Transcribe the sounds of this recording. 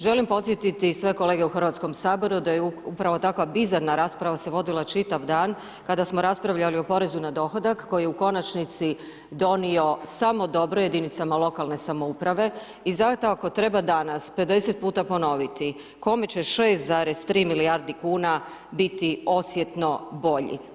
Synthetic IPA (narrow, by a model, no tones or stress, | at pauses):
ʒe̞limpo̞t̪sjet̪it̪isʋe̞ko̞le̞ɡeuxrʋat̪sko̞msaːbo̞ɾud̪ajeupɾaʋo̞t̪akʋabizaɾnaɾaːspɾaʋase̞ʋo̞d̪ilˠat͡ʃit̪aʋd̪aːn | kad̪asmo̞ɾaspɾaʋʎalio̞po̞ɾe̞zunad̪o̞xod̪akkːo̞jijeuko̞nat͡ʃnit̪si | d̪o̞nio̞samo̞d̪o̞bɾojed̪init̪samalˠo̞kalˠne̞samoupɾaʋe̞ | izat̪ako̞t̪ɾe̞bad̪anaspe̞d̪e̞set̪̚puːt̪apo̞no̞ʋit̪i | ko̞me̞t͡ɕe̞ʃe̞ːst̪zaːɾe̞st̪ɾiːmiliaɾd̪ikuːna | bit̪io̞sje̞t̪no̞bo̞ʎḭ